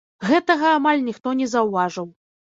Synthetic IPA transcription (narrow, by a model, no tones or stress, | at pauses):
ɣɛt̪ɐɣɐamalʲnʲixt̪ɔnʲɛzɐwvaʐɨw